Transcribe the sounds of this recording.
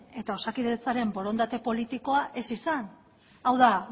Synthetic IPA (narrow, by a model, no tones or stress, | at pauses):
e̞t̪ao̞sakiðe̞t͡saɾe̞mbo̞ɾo̞nd̪at̪e̞po̞lit̪iko̞aʔe̞sisan | awða